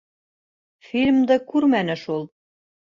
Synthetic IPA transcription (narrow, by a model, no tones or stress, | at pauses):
filʲmd̪ækurmænɘ̆ʃolˠ